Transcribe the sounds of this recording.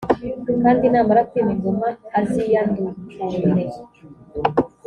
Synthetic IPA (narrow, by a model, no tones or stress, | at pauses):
kaːndinaːmbaɾakimiɡumaazijandukuːɾe